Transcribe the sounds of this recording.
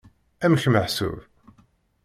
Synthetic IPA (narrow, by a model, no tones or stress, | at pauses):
æmçməħsṵv